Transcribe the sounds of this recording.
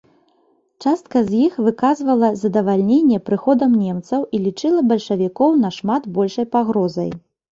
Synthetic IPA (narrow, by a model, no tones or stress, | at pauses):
t͡ʂast̪̚kɐzʲjixvɨkazvɐlˠɐzɐd̪ɐvalʲnʲenʲːɛpɾɨxɔd̪ɐmnʲemt̪sɐwʔilʲit͡ʂɨlˠɐbɐlʲʂɐvʲikɔwnɐʂmad̪bɔlʲʂɐjpaɣɾɔzɐ̰j